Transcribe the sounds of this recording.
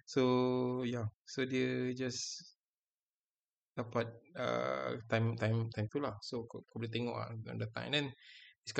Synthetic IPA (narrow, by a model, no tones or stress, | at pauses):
sojasodiəd͡ʒas | d̥apat̪̚ə̰t̪ãjmt̪ãjmt̪ãjmt̪ulahsokkɔbəlit̪eŋɔ̰ʔã̰ndat̪ã̰ŋɛ̰̃ndɛ̃nisk